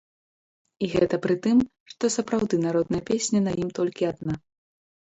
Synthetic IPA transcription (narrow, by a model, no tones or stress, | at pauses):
iɣɛt̪ɐpɾɨt̪ɨmʂt̪ɔsɐpɾawd̪ɨnaɾɔd̪nɐjɐpʲesʲnʲɐnɐjimt̪ɔlʲkʲiad̪̚na